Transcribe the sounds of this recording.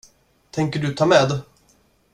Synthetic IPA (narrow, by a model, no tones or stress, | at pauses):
t̪ʰɛŋkəɖɵt̪ʰɑːmɛːd̪